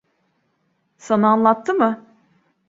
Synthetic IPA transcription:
sanaanlˠat̪ʰːɯmɯ

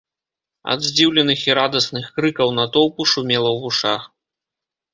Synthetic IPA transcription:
ɐ̰d̪zʲd͡zʲiwlʲɛnɨxiɾad̪ɐsnɨxkɾɨkɐwnɐt̪ɔwpuʂumʲɛlˠɐwvuʂax

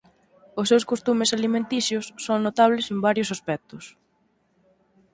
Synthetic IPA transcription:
ʊsːewskost̪umesalimẽnt̪isjʊsːoŋnot̪aβ̞lesembaɾjʊsaspɛk̚t̪ʊs

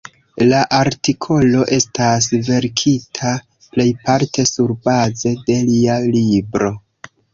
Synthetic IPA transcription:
laʔaɾtikʰo̞lo̞ʔe̞stas̬ve̞ɾkʰitʰa | ple̞jpaɾtʰe̞suɾbaze̞de̞lialibɾo̞

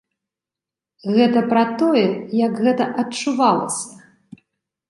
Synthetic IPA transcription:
ɣɛt̪ɐpɾɐt̪ɔjɛjɐkɣɛt̪ɐʔɐt͡ʂuvalˠɐ̰sʲɐ

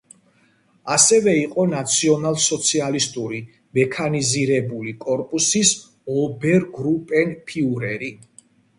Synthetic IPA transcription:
asɛvɛiqʼɔnat̪sʰiɔnalˠsɔt̪sʰialist̪ʼuɾi | mɛkʰaniziɾɛbulikʼɔɾpʼusis | ɔbɛɾɡɾupʼɛnpʰiuɾɛɾi

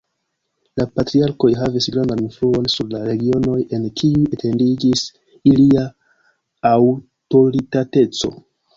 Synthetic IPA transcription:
lapatɾiaɾko̞jɦavisɡɾandaninfluo̞nsuɾlaɾe̞ɡio̞no̞je̞nkʰiuetʰe̞ndid͡ʒis | iliaː | w | to̞ɾitate̞t͡so̞̰

